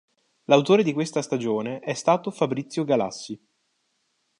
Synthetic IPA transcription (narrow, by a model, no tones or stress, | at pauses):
lawt̪oːɾed̪ikwest̪ast̪ad͡ʒoːneʔɛst̪aːt̪ofabɾit̪sːjoɡala̰sːi